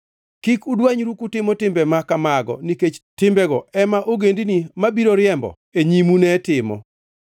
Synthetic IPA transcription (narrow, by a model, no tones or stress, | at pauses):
kikudwaɲɾukutɪmɔtɪmbɛmakamaɡɔ̰niket͡ʃtɪmbɛɡɔɛmaʔoɡendinimabiɾoɾɪɛmbɔ̰ | eɲimunɛtɪmɔ̰